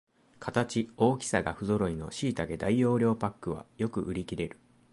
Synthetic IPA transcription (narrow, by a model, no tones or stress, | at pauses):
kʰat̪at͡ɕio̞ːkʲi̥saɡaɸɯ̟zo̞ɾo̞ino̞̰ɕiːt̪aɡe̞d̪aijo̞ːɾʲo̞ːpakːɯ̟β̞a̰jo̞kɯ̟ʔɯ̟ɾʲikʲiɾe̞ɾɯ̟̥